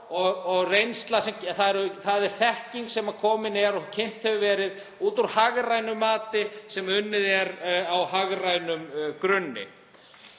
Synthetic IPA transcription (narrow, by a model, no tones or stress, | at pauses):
ɔɣɔɣrejnst̪lasɛmθaðɛɾθaðɛɾ̥θɛhciŋksɛmḁkʰɔːmɪnɛɾɔcʰejn̥t̪hɛvʏvɛːɾɪð | uːt̪uɾhaɣrajnʏmːaːt̪ɪsɛmʏnːɪðɛɾawɦaɣrajnʏmkɾʏnːɪ̰